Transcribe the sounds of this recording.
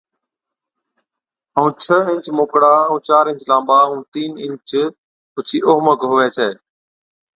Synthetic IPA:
əũːt͡ʃʰəɪ̃ɲt͡ʃmoːkɽaːũːt͡ʃaːɾɪ̃ɲt͡ʃlãːmɓaːũːt̪iːnɪ̃ɲt͡ʃ | pʊt͡ʃʰiːʔoːɦməkɦʊʋɛːt͡ʃʰɛː

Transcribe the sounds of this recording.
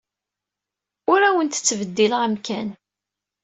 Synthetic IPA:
ʊɾæwənt̪ə̥t͡sːvəd̪ːiləʁəmkæn

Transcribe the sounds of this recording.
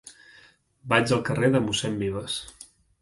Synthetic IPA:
bad͡ʒəlˠkəreðəmusɛmbiβ̞əs

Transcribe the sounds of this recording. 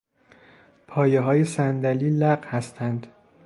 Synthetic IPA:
pʰɒːjeɦɒːje̞sænd̪æliːlæɢhæst̪ʰænd̪̥

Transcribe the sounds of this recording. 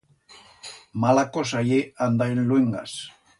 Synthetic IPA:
malakosajeand̪aenlweŋɡa̰s

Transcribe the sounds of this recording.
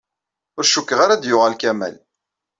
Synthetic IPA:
ʊɾʃukːəʁaɾad̪jʊʁælkæmæ̰l

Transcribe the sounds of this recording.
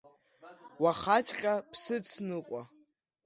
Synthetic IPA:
waχat͡ʃʰqʲʼapʰsɨt͡sʰnɨqʼa

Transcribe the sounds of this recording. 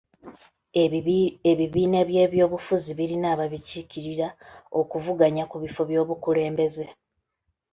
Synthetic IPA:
eβiβiːne̞βje̞ːβjo̞ːβufuziβiɾinaːβaβiciciɾiɾao̞kuvuɡaɲakuβifo̞βjo̞ːβukule̞ːmbe̞ze̞

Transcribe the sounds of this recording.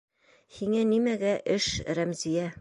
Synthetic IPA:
hiŋænimæɡæʔɘʃɾæmzijæ

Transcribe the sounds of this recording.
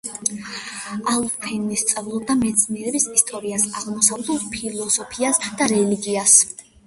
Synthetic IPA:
alˠfʰinist̪sʼavlˠɔb̚d̪amɛt̪sʰniɛɾɛbisist̪ʼɔɾiasaʁmɔsavd̪ɛlspʰilˠɔsɔpʰiasd̪̥aɾɛliɡias

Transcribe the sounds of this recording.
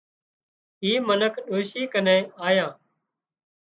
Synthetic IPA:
ɦiːmənəkʰɗoːʃiːkənẽːaːjãː

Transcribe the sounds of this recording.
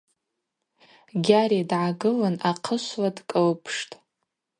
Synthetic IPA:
ɡʲaɾidʕaɡɨlɨnaqʰəʃʷladkʼɨlpʰʂtʼ

